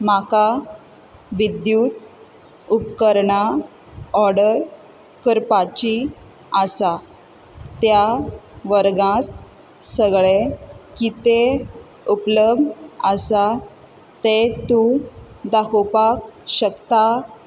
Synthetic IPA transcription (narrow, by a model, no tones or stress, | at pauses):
maka | ʋid̪jut̪ | upkəɾɳa | ɔɾɽəɾ | kəɾpat͡ɕi | asa | t̪jaʋəɾɡãt̪̚ | səɡɭekit̪e | upləbəsa | t̪et̪ũd̪akupak̚ɕəkt̪a